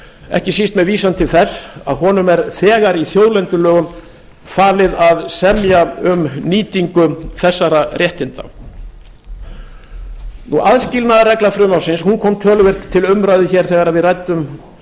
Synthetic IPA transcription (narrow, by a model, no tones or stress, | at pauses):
ɛ̰hcɪsist̪mɛðviːsant̪ʰɪlθɛsːa̰ðɦɔːnʏmɛɾθɛːɣaɾiθjoːwlɛnt̪ʏlœːɣʏm | faːlɪðaðsɛmjaʏmniːt̪iŋkʏθɛsːaɾarjɛht̪ɪnt̪a̰ | nṵʔaðscɪlnaðrɛklafɾʏmawsɪnshunkʰɔmt̪ʰœːlʏvɪr̥t̪ʰːɪlʏmɾajðʏçɛɾ̥θɛːɣaɾaðvɪðrajt̪ʏm